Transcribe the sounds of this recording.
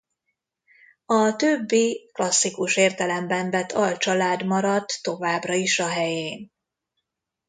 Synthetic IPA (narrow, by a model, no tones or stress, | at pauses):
ɒt̪øbːiklɒsːikuʃeːrt̪ɛlɛmbɛɱvɛt̪ʰɒlt͡ʃɒlaːd̪mɒɾɒt̪ːo̞vaːbrɒiʃɒɦɛjeːn